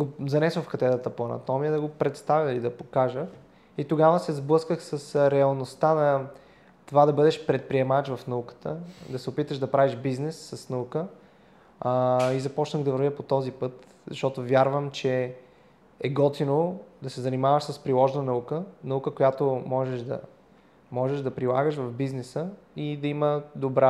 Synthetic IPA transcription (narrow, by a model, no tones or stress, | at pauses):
ɡozɐnɛsofkɐt̪ɛt̪ət̪əpoɐnɐ̰t̪ɔmiəd̪ɐɡopɾɛt̪st̪avʲəilid̪ɐpokaʒəx | it̪oɡavəsɛzblˠɤskəxsɐsɾɛɐlˠnost̪anɐ | t̪ovad̪ɐbɤd̪ɛʃpɾɛt̪̚pɾiɛmat͡ʃvɐfnɐukə̥t̪ə̰d̪ɐsɛopit̪əʃd̪ɐpɾʔaviʒbiznɛsːɐsnɐukə | izɐpɔt͡ʃnəɣd̪ɐvəɾvʲjəpot̪ɔzipɤt̪ | zɐ̰ʃt̪ɔt̪ovjaɾvəmt͡ʃɛ | ɛɡɔt̪inod̪ɐsɛzɐnimavəʃsəspɾilˠɔʒnənɐukənɐukəkojat̪omɔʒɛʃd̪ɐ̰ | mɔʒɛʒd̪ɐpɾilˠaɡəʃvɐvbiznɛsə | id̪ɐiməd̪obɾa